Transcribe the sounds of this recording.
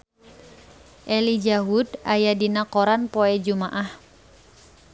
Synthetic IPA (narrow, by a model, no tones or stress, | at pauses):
ʔɛlid͡ʒaɦudajadinakɔɾanpɔɛd͡ʒumaʔah